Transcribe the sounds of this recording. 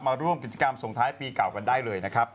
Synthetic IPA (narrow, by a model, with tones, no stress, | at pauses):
maː˧ɾu˥˩əmki˨˩t̪̚t͡ɕa˧ka˧mso˨˩ŋt̪ʰaː˦˥jpiː˧ka˨˩wka˧ndaː˥˩jlɤː˧jna˦˥kʰa˦˥p̚